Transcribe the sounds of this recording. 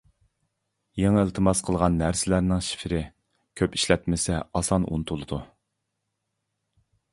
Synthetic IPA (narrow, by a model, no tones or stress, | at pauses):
jeŋɪlˠt̪ʰɨmɑz̥qʰəlˠʁɑnːæɾsɪlæɾnɪŋʃi̥fɾɪ | kʲʰøpi̥ʃlɛt̪mɪsɛɑsɑnʔṵnt̪ʰulˠɨd̪u